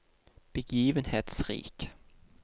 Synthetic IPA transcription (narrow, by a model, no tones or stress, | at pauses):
b̥eɡ̥iːʋənhed̪̥sʁḭːk